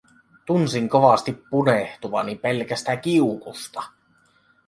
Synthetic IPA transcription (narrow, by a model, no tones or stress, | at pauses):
t̪unsiŋko̞ʋɑst̪ipːuneht̪uʋɑnimpe̞lkæst̪æk̟iukust̪ɑ̥